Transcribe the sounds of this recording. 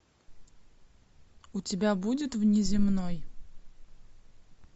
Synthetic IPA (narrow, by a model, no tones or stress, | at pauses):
ʊtʲɪbʲabudʲɪt̪vnʲɪzʲɪmnoj